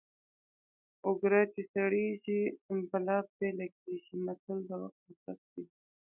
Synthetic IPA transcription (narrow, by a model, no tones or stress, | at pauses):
ʊɡɾat͡ʃesaɽeʒibalɑb̚d̪elaɡeʒimasald̪awaxt̪asatd̪i